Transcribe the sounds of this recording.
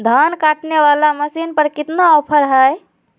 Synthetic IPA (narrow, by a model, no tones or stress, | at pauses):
d̪ʱankaʈneβalaməsinpəɾkit̪naɔpʰəɾɦəj